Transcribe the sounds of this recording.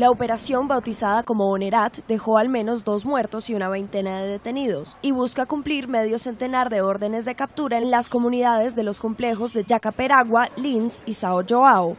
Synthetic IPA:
laope̞ɾasjo̞mbawt̪isaðako̞mo̞ːneɾat̪d̪e̞xo̞almẽ̞no̞zd̪o̞zmwe̞ɾt̪o̞siunaβe̞jnt̪e̞naðe̞ðe̞t̪e̞nið̞o̞siβuskakumpliɾme̞ðjo̞se̞nt̪e̞naɾðe̞o̞ɾðe̞ne̞zðe̞kap̚t̪uɾaenlasko̞mũniðað̞e̞zðe̞lo̞sko̞mple̞xo̞zdðe̞d͡ʒakape̞ɾaɣwalinsisaod͡ʒoao

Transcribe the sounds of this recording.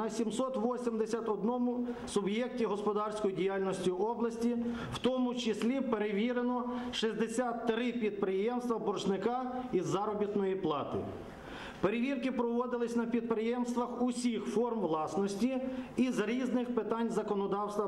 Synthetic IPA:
ɐsʲimsɔt̪ʋɔsʲimd̪esʲɐt̪ɔd̪nɔmʊsʊbjɛk̚tʲiɦɔspɔd̪ɑrsʲkɔjidʲijalʲnɔsʲtʲiɔblˠɐsʲtʲi | wt̪ɔmʊt͡ʃɪsʲlʲipeɾeʋʲiɾenɔʃizʲd̪esʲat̪ːɾɪpʲid̪̚pɾɪjɛmst̪ʋɐbɔrʃnɪkɑizːɑɾɔbʲit̪nɔjiplˠɑt̪ɪ̰ | peɾeʋʲirkɪpɾɔʋɔd̪ɪlˠɪsʲnɐpʲid̪̚pɾɪjɛmst̪ʋɐxʊsʲixfɔrmʋlˠɑsnɔsʲtʲiːzɾʲiznɪxpɪt̪ɑnʲzɐkɔnɔd̪ɑwst̪ʋɐ

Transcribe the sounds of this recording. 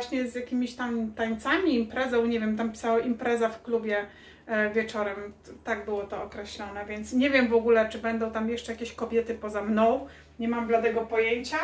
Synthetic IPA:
vwaɕɲɛzjakʲimʲiɕt̪amt̪aɲt̪samʲiːmpɾɛzɔ̃w̃ɲɛvʲjɛmt̪ampʲi̥sawaʔimpɾɛzafklubʲjɛ | vʲjɛt͡ʂɔɾɛmt̪aɡ̚bɘwɔt̪ɔːkɾɛɕlɔnɛvʲjɛnt̪sɲɛvʲjɛmvɔɡulɛt͡ʂɘbɛnd̪ɔ̃w̃t̪amjɛʂt͡ʂɛjakʲeɕkɔbʲjɛt̪ɘpɔzamnɔ̃w̃ | ɲɛmamblad̪ɛɡɔpɔjeɲt͡ɕa

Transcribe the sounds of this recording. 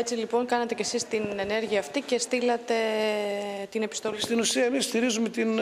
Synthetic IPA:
et͡silipo̞ŋkɐnɐt̪e̞ce̞sist̪ine̞ne̞ɾʝiɐːft̪ice̞st̪ilɐt̪e̞ | t̪ine̞pist̪o̞lst̪inusiɐemisst̪iɾizume̞t̪in

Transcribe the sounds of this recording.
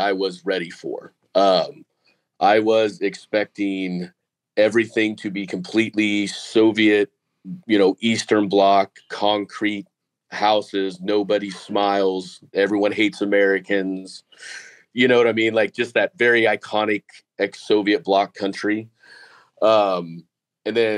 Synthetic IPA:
aɪwʌzɹɛɾifə̰˞ | ʌ̃m | ʔaɪwʌzɪkspɛk̚tɪ̃ŋ | ɛvɹiθɪ̃ŋtʰɨbikʰm̩pʰl̥iʔlisoʊviɨt̚ | jɨnoʊʔistə̃˞nblɑkʰɑ̃ŋkʰɹ̥it̚ | haʊsɪznoʊbɨɾismaɪlˠzɛvɹiwʌ̃nɦeɪtsəmɛɹɨkɨ̃nz̥ | jɨñoʊwʌɾaɪmĩnlaɪk̚d̥ʒ̥ʌst̪̚ðɨtvɛɹiaɪkʰɑnɨk | ɛksoʊviɨt̚b̥lɑkʰʌ̃nt͡ʃɹ̥i | ʌ̃m | ɨ̃nðɨ̃

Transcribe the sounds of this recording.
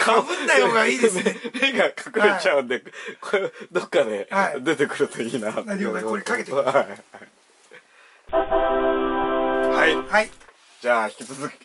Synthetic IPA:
kʰab̪ajoɡaiemeɡakʰakɯ̟ɾet͡ɕaɯ̟̃nd̪e̞kod̪o̞kːad̪e̞ad̪e̞t̪e̞kɯ̟ɾɯ̟t̪o̞iːnat̪oɾekaket̪eha | haihai | d͡ʑaːçi̥kʲit͡sɨzɨkʲi̥

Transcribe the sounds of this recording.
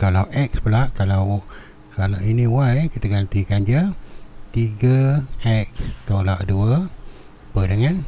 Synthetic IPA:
kalawʔɛk̚spəlaʔkalaw | kalawiniwajkit̪aɡant̪ikand͡ʒət̪iɡəɛk̚st̪olaʔduə | pədəŋan

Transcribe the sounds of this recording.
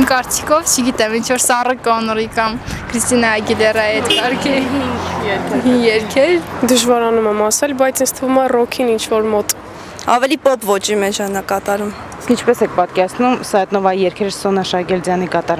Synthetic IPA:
mkɑɾt͡sʰi̥kʰɔvt͡ʃʰəɡit̪ɛmint͡ʃʰvɔɾsɑrəkɔnɾikɑmkʰɾist̪inɑɛɡilɛrɑɛt̪kɑɾkʰə | ɛijɛɾkʰɛɾd̪əʒvɑɾɑnumɛmɑsɛlbɑjt͡sʰənsʰt̪ʰəvumɑrɔkʰinint͡ʃʰvɔɾmɔt̪ | ɑ̰vɛlipɔpʰvɔt͡ʃimɛd͡ʒʰɑnɑkɑt̪ɑɾum | iskint͡ʃʰpɛsɛk̚ʰpɑt̪̚kɛɾɑt͡sʰnumsɑɛt̪nɔvɑijɛɾkʰɛɾəsːɔnɑʃɑɡɛld͡zjɑnikɑt̪ɑɾ

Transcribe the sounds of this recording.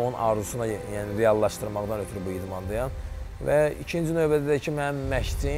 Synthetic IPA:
unʔɑ̰ɾzusunɑjjæːniɾejɑlˠːɑʃt̪ɯɾmɑɣd̪ɑnøt̪ʰyɾybuid̪mɑnd̪ɑjɑn | væicʰind͡ʒinø̞jbæd̪æd̪æcʰimænmæʃd̪i

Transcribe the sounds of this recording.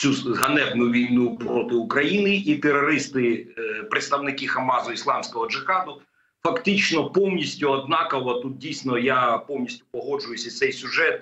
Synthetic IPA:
t͡sʲuɦɐnɛwnʊʋʲijnupɾɔt̪ɪʊkɾɐjinɪit̪eɾɔɾɪst̪ɪpɾɪt̪st̪ɐwnɪkixɐmɑzʊislˠɑmsʲkɔɦɔd͡ʒɪxɑd̪ʊ | fɐkt̪ɪt͡ʃnɔpɔwnʲisʲtʲʊɐd̪̚nɑkɐʋˠɐt̪ut̪̚dʲijsʲnɔjapɔwnʲisʲtʲʊpɔɦɔd͡ʒʊjʊsʲɐt̪sɛjsʲʊʒɛt̪̚

